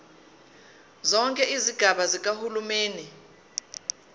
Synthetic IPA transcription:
zɔŋkʼɛʔiziɡ̥ʱaɓazik̬ʼahulumeːni

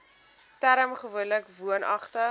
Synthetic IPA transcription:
tæɾəmχəvuənləkvuənʔɐ̰χtə

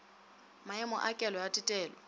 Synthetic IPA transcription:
maɪmʊʔakʼɛlɔjatʼɪtʼɛːlɔ

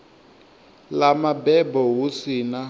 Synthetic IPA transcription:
lamabɛbɔɦusina

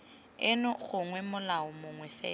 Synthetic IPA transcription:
ɪnʊɣʊŋwɛmʊlaʊmʊŋwɛsɛ̰ː

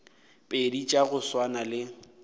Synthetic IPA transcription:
pʼedit͡ʃʼaɣʊswanalɪ

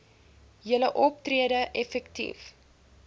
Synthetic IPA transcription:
jələʔɔp̚triədəʔɛfɛktḭf

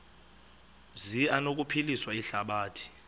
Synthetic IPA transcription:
zianok̬ʼupʰiliswaiɬaɓaːtʰi̥

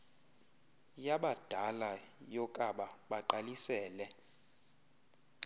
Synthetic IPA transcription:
jaɓad̥ʱalajɔkʼaɓaɓaǃalisɛːlɛ

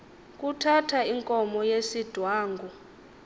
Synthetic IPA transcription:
kʼutʰatʰaiŋkʼɔmɔjesid̥ʱwaːŋɡʱu

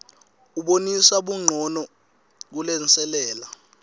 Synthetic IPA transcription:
uɓonisaɓuŋ͡ǃʱɔnɔ | k̬ulɛnt͡sɛlɛːla

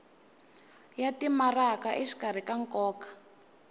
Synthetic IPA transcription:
jatimarakaʔiʂi̥kar̤ikaŋkʼɔːkḁ

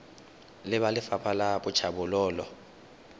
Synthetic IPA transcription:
lɪβalɪfapʰalabʊt͡ʃʰabʊlɔːlɔ

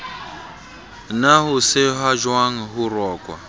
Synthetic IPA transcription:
naɦusɪɦaʒwaŋ̩ɦurɔːkʼwa̰

